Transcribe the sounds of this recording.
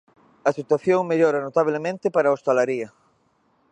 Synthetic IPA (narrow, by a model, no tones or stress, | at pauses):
ɐsit̪waθjoŋmeʎoɾanot̪aβlemẽnt̪ɪpaɾaost̪alaɾiɐ